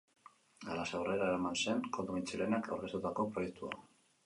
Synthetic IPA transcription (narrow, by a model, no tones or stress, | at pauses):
alasawre̞ɾaeɾamanse̞ŋkod̪umint͡silenaka̰wɾɣe̞st̪ut̪ako̞pɾo̞je̞k̚t̪ua̰